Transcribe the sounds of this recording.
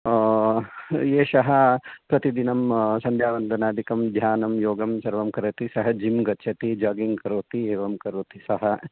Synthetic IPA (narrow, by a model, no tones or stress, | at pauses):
jeːʃɐɦɐpɾɐt̪id̪inɐmsɐnd̪jaːʋɐnd̪ʱɐnaːd̪ʱikɐmd̪ʱjaːnɐmjoːɡɐmsɐɾʋɐmkɐɾɐt̪isɐɦɐd͡ʒimɡɐtːʃʰɐt̪id͡ʒaːɡiŋɡkɐɾoːt̪ieːʋɐmkɐɾoːt̪isɐɦɐ